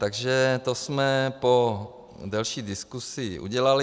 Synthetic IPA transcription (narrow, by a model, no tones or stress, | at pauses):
t̪aɡʒɛt̪osmɛpo | dɛlʃiːdɪskusɪʔṵɟɛlalɪ